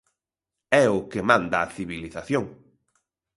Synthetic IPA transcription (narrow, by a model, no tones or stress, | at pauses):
ɛʊkɪmãnd̪aːθiβiliθaθjoŋ